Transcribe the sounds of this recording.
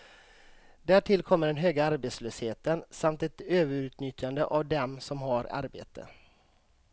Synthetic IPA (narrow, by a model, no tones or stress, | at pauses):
d̪æːʈʰɪlkʰɔmːəɖɛnɦøːɡaaɾbeːt̪sløːsheːt̪ənsamt̪ɛt̪øːvəɾʉ̟ːt̪nʏt̪jand̪əʔavd̪ɛmsɔmɦaɾa̰ɾbḛːt̪ʰə̰